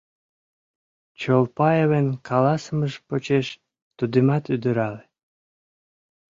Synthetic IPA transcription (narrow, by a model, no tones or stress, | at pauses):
t͡ɕolpɑjeβenkʰɑlɑsəməʒpot͡ɕeʃ | t̪ud̪imɑt̪yd̪əɾɑle